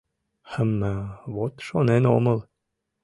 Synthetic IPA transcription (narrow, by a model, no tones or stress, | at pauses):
hə̆mːæβot̪ʃoneno̰mɤ̆lˠ